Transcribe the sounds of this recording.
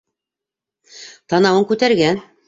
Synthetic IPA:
t̪ɑnɑwɤŋkʉt̪æɾɡæn

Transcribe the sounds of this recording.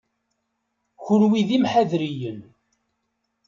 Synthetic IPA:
çʊɾwiðimħæðɾijən

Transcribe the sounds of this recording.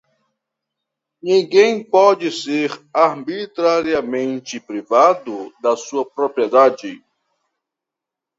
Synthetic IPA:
nĩɡẽj̃pɔd͡ʒɪseɾaɾbit̪ɾaɾiɐmẽnt͡ʃɪpɾivad̪ʊd̪ɐsuɐpɾopɾied̪ad͡ʒɪ

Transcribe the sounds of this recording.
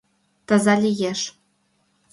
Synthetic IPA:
t̪ɤ̆zɑlʲijeʃ

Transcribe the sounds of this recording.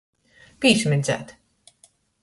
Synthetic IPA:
piːʃmid̪zæ̰ːt̪

